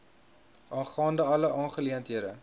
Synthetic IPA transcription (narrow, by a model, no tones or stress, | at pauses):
ɑːnχɑːndəɐləʔɑːnχəliəntɦiəɾə